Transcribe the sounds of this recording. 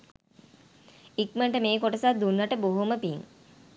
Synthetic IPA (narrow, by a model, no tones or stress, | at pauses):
ikməɳʈəmeːkoʈəsad̪unːaʈəboɦoməpiŋ